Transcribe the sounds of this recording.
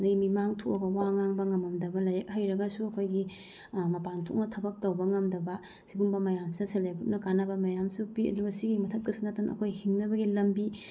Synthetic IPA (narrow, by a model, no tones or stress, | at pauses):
ndɐɡimimaŋtʰoɐɡɐwaŋaŋbɐŋɐmɐmdɐbɐlɐjek̚hɐjɾɐɡɐsuɐkʰojɡi | mɐpantʰok̚nɐtʰɐbɐk̚tɐwbɐŋɐmdɐbɐ | siɡumbɐmɐjamsidɐselekɾut̚nɐkanɐbɐmɐjamsupiɐ̰duɡɐsiɡimɐtʰɐt̚kɐsunatanʔɐ̰kʰojhiŋnɐbɐɡilɐmbi